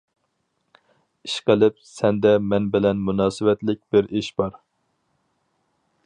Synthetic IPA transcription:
iʃqəlˠɪp̚sɛnd̪ɛmɛnbɪlɛnmunɑːsɨwɛt̪lɪk̚ʲb̥ɪɾiʃbɑɾ

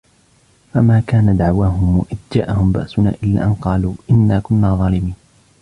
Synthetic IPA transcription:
famaːkaːnad̪aʕwaːɦʊmwaʔɪd̪d͡ʒa̰ːʔahʊmba̰ʔsʊna̰ːʔɪlːa̰ːʔanqɑːluːʔɪnːaːkʊnːaːðˤɑːlɪmiːn

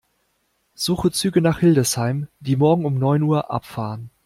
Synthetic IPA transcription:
z̥uːχət͡syːɡənaːχhɪldəshaɪmd̥iːmɔɐɡŋ̩ʊmnɔʏnuːɐʔa̰pfaːʁən

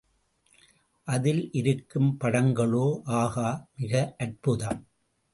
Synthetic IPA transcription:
ʔɐðɪlʔɪɾɯkːɯmpɐɽɐŋɡɐɭoːʔaːɣaːmɪɣɐʔɐrpɯðaːm

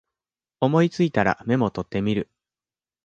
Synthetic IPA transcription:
o̞mo̞it͡sɨit̪aɾa̰me̞mo̞t̪o̞t̪ːe̞mʲiɾɯ̟

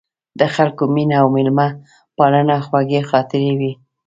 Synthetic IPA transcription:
d̪əxalkominaawmɪlma | pɑlənaxwaɡexɑt̪ɪɾewi

